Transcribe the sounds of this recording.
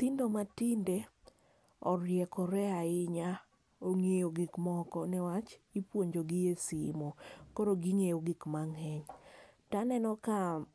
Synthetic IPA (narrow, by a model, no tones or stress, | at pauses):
t̪indomatɪnde | ɔɾjɛkɔɾɛaɪɲa | oŋejoɡɪkmɔkɔnɛwat͡ʃipwoɲd͡ʒoɡɪjesḭmokɔɾoɡɪŋejoɡɪkmaŋɛɲ | tanɛnɔka